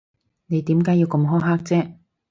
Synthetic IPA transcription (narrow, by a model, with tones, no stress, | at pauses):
ne˨˧jt̪iː˨˥mkaː˨˥jiː˨˧wkɐ˧mɦɔː˥ɦaː˥k̚t͡sɛː˥